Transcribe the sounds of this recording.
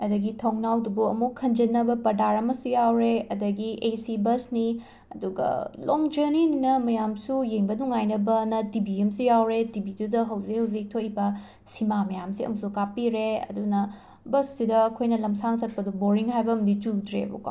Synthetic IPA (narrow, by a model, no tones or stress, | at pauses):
ɐdɐɡitʰɐŋnawdubuɐmukʰːɐnd͡ʒɐnːɐbɐpɐdaɾɐmɐsujawɾeɐdɐɡiʔesibɐsni | ɐduɡɐ̰loŋd͡ʒɐɾnininɐmɐjamsujeŋbɐnuŋajnɐbɐnɐtibiemsujawɾetibidudɐɦɐwzikhɐwzik̚tʰobɐ | simamɐjamsiɐ̰musukapiɾeɐ̰dunɐ | bɐsːidɐːkʰojnɐlɐmsaŋt͡ʃɐt̚pɐduboɾiŋɦajbɐːmditudɾḛbṵka̰